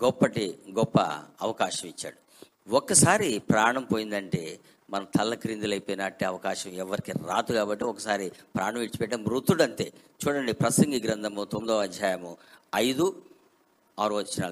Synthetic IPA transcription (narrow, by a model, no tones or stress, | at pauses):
ɡɔpːɐʈiɡɔpːɐ̰ɐʋɐkaːʃɐmit͡ʃːa̰ːɽu | ɔkːɐsaːɾipɾaːɳɐmpoːjind̪ɐɳʈeː | mɐnɐt̪ʰɐlːɐkɾind̪ulɐjpojnaːʈːeːɐʋɐkaːʃɐmɛʋːɐɾikiɾa̰ːt̪uɡaːbɐʈːiɔkɐsaːɾipɾʔaːɳɐmiʈt͡ʃi̥pɛʈɐmɾut̪ːuɽɐnt̪e̞̰ːt͡ʃuːɽɐɳɖipɾɐsɐŋɡiɡɾɐnd̪ʱɐmut̪omd̪ɐːɐd̪ʱjaːjɐmuɐjd̪u | aːɾuʋɐt͡ʃːinaː